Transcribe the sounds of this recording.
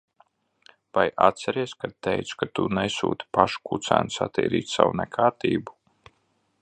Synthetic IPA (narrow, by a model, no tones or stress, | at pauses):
vaja̰t̪sɛɾiɛskad̪̚t̪ɛjt̪su̥kat̪unɛsṵːt̪ʲi̥paʃu̥kut̪sæ̰ːnsat̪ḭːɾḭːt̪sa̰wunɛkʰaːɾt̪iːbu